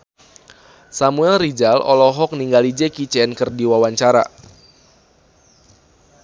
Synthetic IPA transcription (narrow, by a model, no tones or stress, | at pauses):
samuɛlrid͡ʒalɔ̰lɔɦɔk̚niŋɡalid͡ʒekit͡ʃɛnkɨrdiwawaɲt͡ʃaɾa̰